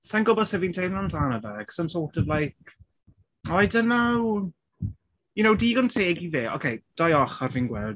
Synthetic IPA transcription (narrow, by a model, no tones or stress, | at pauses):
sanɡʊbɔsɛviːntʰejnɔndanavɛɡ̥sɔnsɔːtɔvlˠajkʰ | ɔjdənaw | jʊnowdiːɡɔntʰeːɡiveːʔɔ̰kʰejd̥ajɔχarviːnɡwɛlˠd